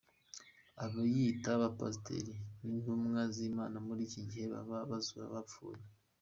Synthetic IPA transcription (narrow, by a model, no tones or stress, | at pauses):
aβajitaβapa̰stḛɾiβiːnhumŋaziːmaːnamuɾiːciɟihe̞βa̰βaβazuɾa̰βafṵːɾa